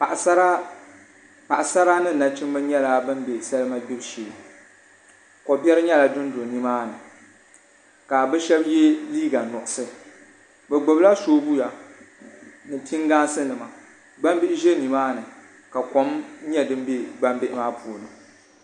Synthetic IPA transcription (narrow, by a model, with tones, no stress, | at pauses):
pa˨ʔsa˦ɾa˦ | pa˨ʔa˨sa˦ɾa˦nɨ˦˨na˨t͡ʃɪ˦m˦bɨ˦ɲɛ˦la˨bɨ˦mbe˨sa˦lɨ˦ma˦bɪ˦bʃeː˨ | kɔ˨bjɛ˦ɾɨ˦ɲɛ˦la˨dʊ˦ndo˨ni˦maː˦nɨ˨ | ka˨bɛ˦ʃɛ˦bje˦liː˦ɡa˨nʊ˨ʔʊ˨sɨ˦ | bɛ˨ɡ͡bo˨bla˦soː˦bu˦ja˨ | nɨ˨tʰi˦ŋɡaː˦sɨ˦nɨ˨ma˨ | ɡ͡ba˦mbɪ˦ɪ˦ʒe˦ni˨maː˦nɨ˨ | ka˨ko˨˦mɲɛ˦dɨ˦m˦be˦ɡ͡ba˦mbɪ˦ʔɪ˦maː˦pʰu˨lɨ˨